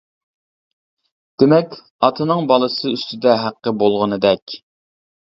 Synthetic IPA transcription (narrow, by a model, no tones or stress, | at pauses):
d̪̥emɛkʲ | ɑt̪ʰɨnɨŋbɑlˠɨsɨyst̪ɪd̪ɛɦæqːəbolˠʁənɨd̪ɛkʲ